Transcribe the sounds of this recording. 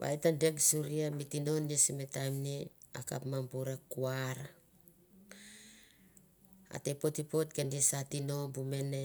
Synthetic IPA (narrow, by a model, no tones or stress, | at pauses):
βa̰jtandeksuɾiamitino̞nːisimetamniaka̰pmambuɾakuaɾa | a̰tepo̞tipo̞t̚kendisatino̞bumene